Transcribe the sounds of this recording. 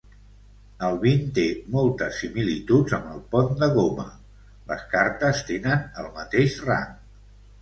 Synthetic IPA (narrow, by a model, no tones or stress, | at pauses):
əlˠβint̪emɔlˠt̪əsːimilit̪ud͡zəməlˠpɔnd̪əɣomə̰ | lə̰skaɾt̪əst̪enənəlˠmət̪eʃra̰ŋ